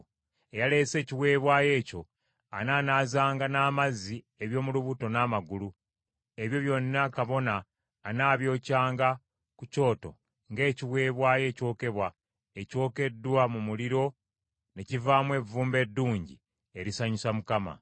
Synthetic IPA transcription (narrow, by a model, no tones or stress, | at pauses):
ejale̞ːse̞ːciwe̞ːβwaːje̞ːco̞ | a̰naːnaːzaːŋɡanaːmazi | eβjo̞ːmuluβuto̞naːmaɡulu | e̞βjo̞βjo̞nːakaβo̞naː | naːβjo̞ːcaːŋɡa | kuco̞ːto̞̰ | ŋɡe̞ːciwe̞ːβwaːje̞ːco̞ːke̞βwa | eco̞ːke̞dːwamumuliɾo̞ | ne̞civaːmwe̞vuːmbe̞dːuːɲɟḭ | eɾisaɲusamukama̰